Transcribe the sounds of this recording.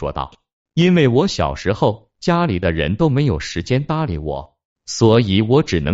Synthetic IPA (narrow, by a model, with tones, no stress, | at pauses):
wɔ̰˥t̪ɑ̰˥˩ʊ | i˥nwe˥˩ɪwɔ˧˥ɕjɑ̰˨˩ʊʂɻ̩˧˥xo˥˧ʊ | t͡ɕja˥li˨˩d̪ə˦˧ɻə̰˧˥nt̪o˥ʊme˧˥ɪjo˨˩ʊʂɻ̩˧˥t͡ɕjɛ˥nt̪a˥lḭ˧˥wɔ̰˨˩˦ | swɔ˧˥i˨˧˩wɔ˧˥ʈ͡ʂɻ̩˨˩nɤ˧˥